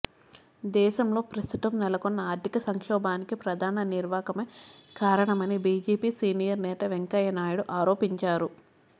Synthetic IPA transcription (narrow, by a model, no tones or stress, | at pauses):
d̪ɛːʃɐmlo̞ːpɾɐst̪ut̪ɐmnɛlɐkonːɐaːɾd̪ʱikɐsɐŋkʂɔːbaːnikipɾɐd̪ʱaːnɐniɾʋaːkɐmeːkaːɾɐɳɐmɐnibiːd͡ʒeːpiːsiːnijɐɾnɛːt̪ɐʋeŋkɐjɐnaːjuɽuʔaːɾo̞ːpiɲt͡ʃaːɾu